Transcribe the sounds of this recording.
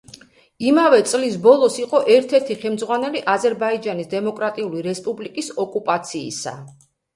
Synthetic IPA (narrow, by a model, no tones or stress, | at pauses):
imavɛt̪sʼlisbɔlˠɔsiqʼɔʔɛɾt̪ʰɛɾt̪ʰiχɛmd̪zʁwanɛliʔazɛɾbaid͡ʒanisd̪ɛmɔkʼɾat̪ʼiuliɾɛspʼublikʼisɔkʼupʼat̪sʰḭːsa̰